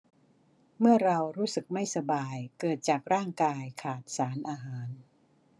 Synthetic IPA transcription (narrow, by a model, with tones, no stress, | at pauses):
mɯ˥˩ɐɾa˧wɾuː˦˥sɯ˨˩k̚ma˥˩jsa˧baː˧jkɤː˨˩t̪̚t͡ɕaː˨˩k̚ɾaː˥˩ŋkaː˧jkʰaː˨˩t̪̚saː˩˦nʔaː˧ɦaː˩˦n